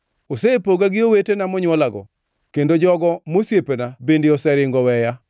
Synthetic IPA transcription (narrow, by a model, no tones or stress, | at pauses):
osepoɡaɡɪowetenamɔɲwɔlaɡɔ̰ | kendod͡ʒɔɡɔmosjepenabendɪɔsɛɾɪŋɡɔwɛja